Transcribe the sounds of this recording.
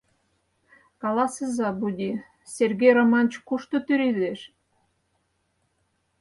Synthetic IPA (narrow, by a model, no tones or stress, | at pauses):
kɑlˠɑsezɑbud̪ʲi | sʲerɡʲejromɑnt͡ɕkuʃt̪ŏt̪yɾʲileʃ